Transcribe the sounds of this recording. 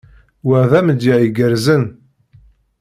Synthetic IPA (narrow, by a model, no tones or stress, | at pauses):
wæðæməd̪jiʕiɡəɾzən